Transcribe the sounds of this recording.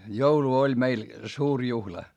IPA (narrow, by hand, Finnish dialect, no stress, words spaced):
joulu olʲ meil suːr juhlɑ